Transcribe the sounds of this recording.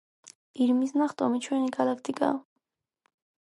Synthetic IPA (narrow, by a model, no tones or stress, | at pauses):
iɾmisnɑχt̪ʼɔmit͡ʃʰwɛniɡɑlak̚ʰt̪ikʼɑ̰